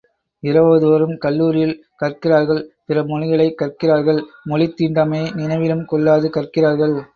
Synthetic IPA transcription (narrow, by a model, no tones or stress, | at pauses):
ɪɾɐʋɐðɯʋɐɾɯmkɐlːuːɾɪjɪl | kɐrkɪraːɾɣɐɭpɪrɐmɔlɪɣɐɭɐɪkːɐrkɪraːɾɣɐɭ | mɔɭɪt̪ːiːɳɖaːmeːnɪnɐʋɪɾɯmkɔɭːaːðɯkɐrkɪraːɾɣɐɭ